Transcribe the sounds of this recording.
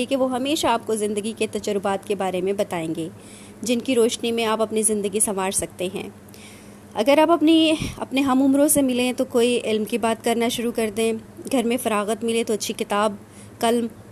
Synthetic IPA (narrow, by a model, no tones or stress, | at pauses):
ekeʋoɦɐmeːʃaaːp̚kozɪ̃nd̪əɡiket̪ɐd͡ʒəɾʊbaːt̪kebaːɾemẽbɐt̪aːẽːŋɡeː | d͡ʒɪnkiɾoːʃnimẽaːpɐpnizɪ̃nd̪əɡisɐmaːɾsɐk̚t̪eɦɛ̰̃ː | ɐɡəɾaːpɐpniɐ̰pneɦɐmʊmɾõsemɪlẽt̪okoːiʔɪlmkibaːt̪kɐɾnaʃʊɾukɐɾd̪ẽːɡʱɐɾmẽfɐɾaːɣət̪mɪlẽt̪oɐtːʃʰikɪt̪aːb̚ | kɐlm